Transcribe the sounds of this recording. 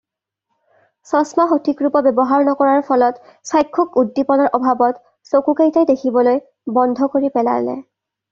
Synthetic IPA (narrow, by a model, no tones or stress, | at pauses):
sɔsmaxotʰikɹupɔbjɛbɔɦaɹnɔkɔɹaɹpʰɔlɔt | sajkʰːɔkudːipɔnɔɹʔɔbʱabɔt | sokukejtajdekʰibɔloj | bɔndʱɔkoɹipɛla̰nɛ̰